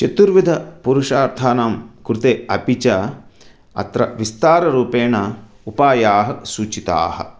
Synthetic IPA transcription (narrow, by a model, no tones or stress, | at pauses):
t͡ʃet̪uɾʋid̪ʱɐpuɾuʂaːɾt̪ʰaːnaːmkɾut̪eːɐpit͡ʃɐ | ɐ̰t̪ɾɐ̰ʋist̪aːɾɐɾuːpeːɳɐ | upaːjaːɦɐsuːt͡ʃit̪a̰ːhɐ̰̆